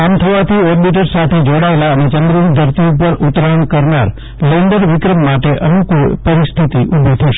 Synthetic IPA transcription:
amt̪ʰəʋat̪ʰiebiʈ̬əɾsat̪ʰed͡ʒoɽaelaənet͡ʃənd̪ɾund̪ʱəɾt̪iupəɾʔut̪ɾaəɳkəɾnaɾ | leɳɖəɾʋɪkɾəmːaʈeʔənũkupəɾist̪ʰit̪iʔubit̪ʰəʃe

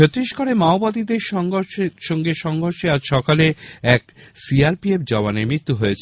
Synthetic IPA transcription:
ot̪ɾiʃkoɾemaobad̪id̪eɾʃ | ʃɔŋɡeʃɔŋɡʱoɾʃead͡ʑʃɔkaleɛk | siaɾpiepd͡ʑɔβanemɾit̪ːuɦoet͡ɕʰe

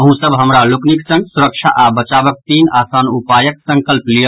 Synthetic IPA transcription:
əɦũsəbɦəmɾalukniksə̃ŋɡsuɾəkʃʰaʔabət͡ʃaːbək̚t̪iːnaːsaːnupaːjək̚sə̃ŋkəlplijə

